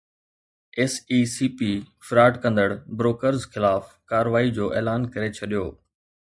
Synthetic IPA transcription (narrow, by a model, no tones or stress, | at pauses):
ɛːsiːsiːpiːfɾaːʈkɐ̃nd̪əɽbɾoːkəɾzxɪlaːf | kaːɾʋaːid͡ʑoːʔeːlaːnkɐɾet͡ɕʰɐɗijoː